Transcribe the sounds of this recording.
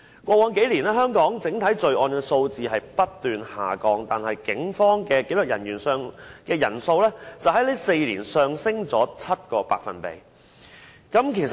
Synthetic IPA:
kʷɔː˧wɔː˨˥nke˨˥jliː˨˩nɛː˥ɦœː˥ŋkɔː˨˥ŋt͡sɪ˨˥ŋt̪ʰɐ˨˥jt͡sɵ˧ɥʔɔː˧nkɛː˧so˧wt͡siː˨hɦɐ˨jpɐ˥t̚t̪yː˨nha̰ː˨˩kɔː˧ŋt̪aː˨nhɐ˨jkɪ˨˥ŋfɔː˥ŋkɛː˧ke˨˥lɵ˨k̚jɐ̰˨˩njyː˨˩nsœː˨˧ŋkɛː˧jɐ̰˨˩nso˧wlɛː˥t͡sɐ˨whɐ˨˥jle˨˥jse˧jliː˨˩nsœː˨˧ŋsɪ˥ŋt͡sɔː˨˥t͡sʰɐ˥t̚kɔː˧pa̰ː˨k̚fɐ̰˨npḛ˨j | kɐ˨˥mkʰe˨˩js

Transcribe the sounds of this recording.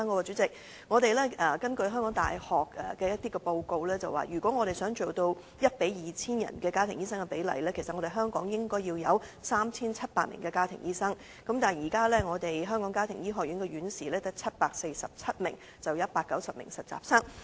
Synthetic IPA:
ŋkɔ˨˥kɔː˧t͡ʃyː˨˥t͡sɪ˨k̚ | ŋɔː˨˧ɾe˨jlɛː˥ɛ˨˩kɐ˥nkɵ˧ɥɦœː˥ŋkɔː˨˥ŋt̪a̰ː˨jhɔː˨kɛ̰ː˨˩kɛː˧jɐ˥t̚t̪iː˥kɛ˧po˧wko˧wlɛː˥t͡sɐ̰˨wa̰ː˨˩jyː˨˩kɔ˨˥ŋɔː˨˧ɾe˨jsœː˨˥ŋt͡so˨wt̪o˧w | jɐ˥t̚pe˨˥jjiː˨˩t͡sʰiː˥njɐ̰˨˩nkɛː˧kaː˥t̪ʰɪ˨˩ŋjiː˥s̬ɐ˥ŋɐ˨pe˨˥jlɐ̰˨˩jlɛː˥kʰe˨˩jsɐ˨t̚ŋɔ˨˧ɾe˨˩ɦœː˥ŋkɔː˨˥ŋjɪ˥ŋkɔː˥jiː˧wjɐ˨˧wsaː˥mt͡sʰiː˥nt͡sʰɐ˥t̚paː˧t̚mɪ̰˨˩ŋkɛː˧kaː˥t̪ʰɪ˨˩ŋjiː˥sɐ˥ŋ | kɐ˨˥mt̪aː˨˩njiː˨˩kaː˥lɛː˥ŋɔː˨˧t̪e˨jɦœː˥ŋkɔː˨˥ŋkaː˥t̪ʰɪ˨˩ŋjiː˥ɦɔː˨k̚jy˨˥nkɛ˧ɥyː˨˥nsiː˨lɛː˥t̪ɐ˥k̚t͡sʰɐ˥t̚paː˧k̚se˧jsɐ˨p̚t͡sʰɐ˥t̚mɪ̰˨˩ŋ | t͡sɐ˨wjɐ˥t̚paː˧kːɐ˨˥wsɐ˨p̚mɪ̰˨˩ŋsɐ˨˩t̚t͡sa̰ː˨˩p̚sɐ˥ŋ

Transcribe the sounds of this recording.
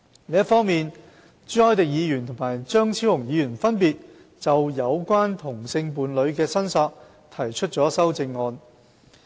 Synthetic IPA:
liː˥tfɔː˥ŋmiː˨n | t͡sy˥ɔː˥jt̪ɪ˨k̚jiː˨˧jyː˨˩nt̪ʰʊ˨˩ŋmaː˨˩jt͡ʃœː˥ŋt͡sʰiː˥whʊ˨˩ŋjiː˨˧jyː˨˩nfɐ˥npiː˨t̚ | t͡sɐ˨wjɐ˨˧wkʷaː˥nt̪ʰʊ˨˩ŋsɪ˧ŋpuː˨˧nlɵ˨˧ɥkɛː˧sɐ˥nsɔː˧k̚ | t̪ʰɐ˨˩jt͡ʃʰɵ˥t̚t͡sɔː˨˥sɐ˥wt͡sɪ˧ŋːɔː˧n

